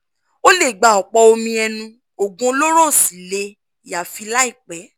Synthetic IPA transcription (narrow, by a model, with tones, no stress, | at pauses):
o˦le˦˨ɡ͡ba˨ɔ˨k͡pɔ˧o˧mĩ˧ɛ˧nũ˧ | o˨ɡũ˧o˧lo˦ɾɔ̃˦˨si˨le˧˦ | i˨ja˨fi˧la˦i˦˨k͡pɛ˨˦